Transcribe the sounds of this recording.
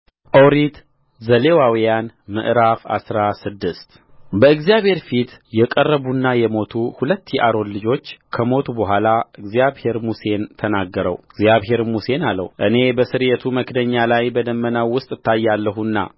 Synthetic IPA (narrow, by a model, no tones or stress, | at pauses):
ʔowɾit̪ | zəle̞wawijanmɨ̰ʔɾafa̰sɾasɨd̪ːɨst̪ | bəɨɡzjaβhe̞ɾfit̪jɛkʼərːəβunːajɛmo̞t̪ʰuhulət̪ːjɛʔaɾo̞nlɨd͡ʒo̞t͡ʃːkʰəmo̞t̪ʰubəɦʷalaɨɡzjaβhe̞ɾmuse̞nt̪ʰənaɡːəɾə̰wɨɡzjaβɦe̞ɾmuse̞nalːə̰wuʔɨne̞bəsɨɾjɛt̪ʰuməkd̪əɲːalajbəd̪əmːənawːʊst̪ʼɨt̪ʰːajːalːəɦunːa̰